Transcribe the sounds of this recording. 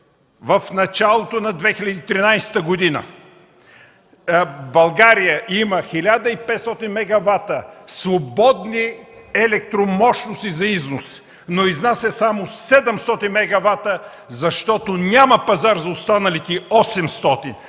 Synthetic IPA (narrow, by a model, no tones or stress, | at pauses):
vɐfnɐt͡ʃalˠot̪onɐd̪vɛxilʲɐd̪iːt̪ɾinajsɛ̥t̪əɡod̪inə̰ | bɐlˠɡaɾijəʔimɐxilʲad̪əipɛt̪st̪ɔt̪inmɛɡɐvat̪əsvobɔd̪niɛlɛk̚t̪ɾomɔʃnost̪izɐiznos | noiznasɛsamosɛd̪ɛmst̪ɔt̪inmɛɡɐvat̪ə | zɐʃt̪ɔt̪onʲamɐpɐzaɾzɐost̪anɐlit̪ɛɔsɛmst̪ɔt̪in